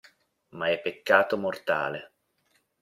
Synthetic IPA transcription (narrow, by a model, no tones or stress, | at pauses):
maɛpːekːaːt̪omort̪a̰ːle